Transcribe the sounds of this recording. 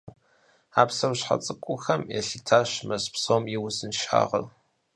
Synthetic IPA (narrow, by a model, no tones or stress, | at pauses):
aːpsɐwɕħa̰t͡sʼɨkʷʼʊxɐmjɛ̰ɬɨtʰaːɕmɐspsowmjɪwʊzɨnʃa̰ːʁɐ̰l